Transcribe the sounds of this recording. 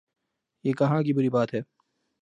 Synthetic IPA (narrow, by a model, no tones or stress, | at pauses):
jeːkɐɦãkibʊɾibaːt̪ɦɛː